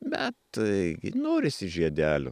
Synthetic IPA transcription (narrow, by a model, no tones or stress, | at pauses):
bʲɛt̪ɡʲɪ̰noːɾʲɪsʲɪʒʲiɛd̪ʲæːlʲʊ̰